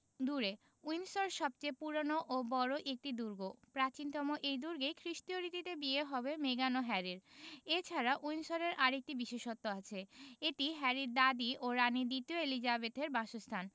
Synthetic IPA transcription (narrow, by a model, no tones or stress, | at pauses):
d̪uɾe | ujnsoɾʃɔb̚t͡ɕepuɾonoʔobɔɾoʔek̚ʈid̪uɾɡopɾat͡ɕint̪ɔmoʔejd̪uɾɡejkʰɾiʃt̪ioɾit̪it̪ebieɦɔbemeɡanoɦɛɾiɾet͡ɕʰaɾaʔujnsoɾeɾʔaɾek̚ʈibiʃeʃot̪ːoat͡ɕʰeeʈiɦɛɾiɾd̪ad̪iʔoɾanid̪it̪ioelid͡ʑabet̪eɾbaʃost̪ʰan